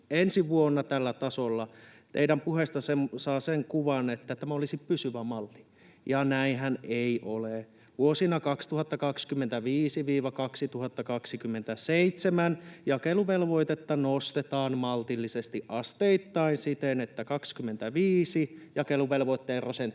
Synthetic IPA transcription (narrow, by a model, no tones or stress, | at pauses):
ensiʋuonːɑt̪ælːæt̪ɑsolːɑt̪ḛiɾæmpuhest̪ɑsemsɑːseŋkuʋɑnet̪ːæt̪æmæolisippysyʋæmɑlt̪i̥ | jɑnæinɦæneiʔole | ʋuosinɑkɑkst̪uhɑt̪ːɑkɑkskymːent̪æʋiːsiʋiːʋɑkɑksit̪uhɑt̪ːɑkɑksikymːent̪æseit̪semænjɑkeluʋelʋoit̪et̪ːɑnost̪et̪ɑːnmɑlt̪ilːisest̪iʔʔɑst̪eit̪ːɑinsit̪enet̪ːækɑkskymːent̪æʋiːsijɑkeluʋelʋoit̪ːeːrɑsent̪